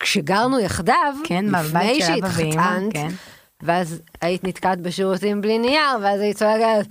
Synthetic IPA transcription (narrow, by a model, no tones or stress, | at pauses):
kʃeɡaʁnujaχdavknifnejʃeiχant | veazait̪nit̪kat̪̚beʃiʁutimblinijaʁveazaisoeɡa